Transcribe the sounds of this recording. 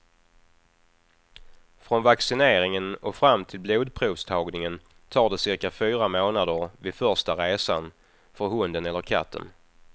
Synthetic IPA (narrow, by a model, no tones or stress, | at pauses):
fɾɔnvaksɪneːɾɪŋənɔfɾamːt̪ʰɪlbluːd̪pʰɾuːvst̪ʰɑːɡnɪŋən | t̪ʰɑːɖɛsɪɾkafyːɾamoːnad̪əɾvɪd̪fœʂʈaɾeːsa̰n | fœɾɦɵnd̪ənɛlːəɾkʰa̰t̪ʰːə̰n